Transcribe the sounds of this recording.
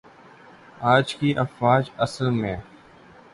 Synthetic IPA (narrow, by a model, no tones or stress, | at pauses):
aːd͡ʒkiːʔəfwaːd͡ʒəsəlmẽː